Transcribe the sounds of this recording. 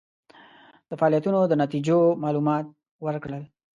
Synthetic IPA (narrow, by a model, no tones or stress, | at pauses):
d̪̥əfaɑlijat̪unod̪ənat̪id͡ʒomɑlumɑt̪̚ | wəɾkɽəl